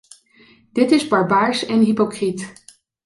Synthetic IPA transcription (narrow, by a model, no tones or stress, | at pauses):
d̥ɪtɪzbɑɹbaːɹsɛnɦipokrit